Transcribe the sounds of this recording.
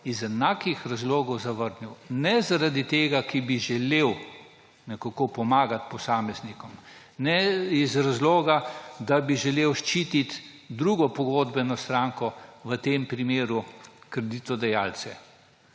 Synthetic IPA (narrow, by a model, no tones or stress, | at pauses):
izɛnaːkixɾazloːɡɔwzaʋəɾnuwnɛzaɾad̪it̪eːɡakibiʒɛleːw | nɛkakopɔmaːɡat̪pɔsaːmɛznikɔm | nɛizɾazloːɡad̪abiʒɛleːwʃt͡ʃiːt̪it̪ | d̪ɾuɡɔpɔɡoːd̪bɛnɔst̪ɾaːŋkɔʋət̪eːmpɾimeːɾukɾɛd̪it̪ɔd̪ɛjaːlsɛ